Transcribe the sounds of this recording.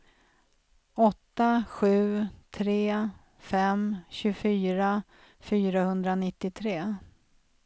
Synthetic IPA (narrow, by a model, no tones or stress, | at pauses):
ɔt̪ːaɧʉ̟ːt̪ʰɾeː | fɛmɕɵfyːɾa | fyːɾahɵnd̪ɾanɪt̪ːɪt̪ʰɾeː